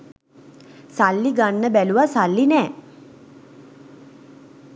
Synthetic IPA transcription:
salːiɡanːəbæluʋasalːinɛː

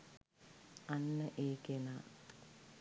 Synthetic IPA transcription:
anːəʔeːkenaː

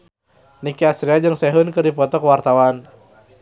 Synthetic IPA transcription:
nikiasɾiad͡ʒɨŋsɛɦənkərdipɔt̪ɔkəwart̪awan

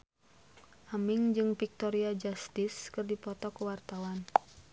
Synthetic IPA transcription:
ʔamiŋd͡ʒɨŋfik̚t̪ɔɾiad͡ʒast̪ɪskɨrdipɔt̪ɔkəwart̪awan

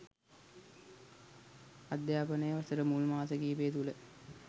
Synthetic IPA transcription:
ad̪jaːpənəjəʋɐsəɾəmulmaːsəɡiːbeːt̪ulə

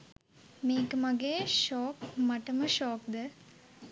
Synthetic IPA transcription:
miːkmɐɡeːʃoːkmɐʈːɐmɐʃoːkd̪ə

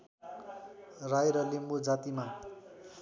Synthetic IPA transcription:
rajɾʌlimbod͡zat̪ima

